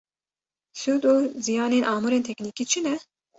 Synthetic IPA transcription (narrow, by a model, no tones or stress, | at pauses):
sud̪oːzijaːneːnʔɑːmuɾeːnt̪ʰɛknikiːt͡ʃʰɨnɛ